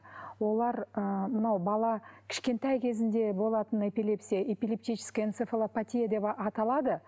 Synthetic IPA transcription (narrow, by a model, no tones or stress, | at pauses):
wo̞lˠɑɾəmənɑwbɑlˠɑkʲʰɪ̥ʃkʲe̞nt̪ɑjkʲʰe̞zɪnd̪e̞bo̞lˠɑt̪əne̞pʲilˠe̞psʲijaʔepilʲep̚t̪ijt͡ʃʰɪ̥skʲajensefelˠopat̪ʲijad̪e̞pɑt̪ɑlˠɑd̪ə